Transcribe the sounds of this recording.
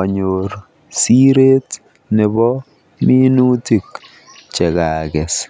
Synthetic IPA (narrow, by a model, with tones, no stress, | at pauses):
ɔ˨ɲoɾ | si˦ɾe˦t | ne˨bɔ | mi˦nu˦ti˨k | t͡ʃɛ˨kaː˨kɛ˨s